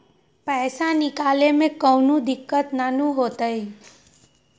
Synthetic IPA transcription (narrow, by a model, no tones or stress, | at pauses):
pɛːsãnɪkaːlemẽkəːnũd̪ɪkːət̪nanũɦoːt̪əi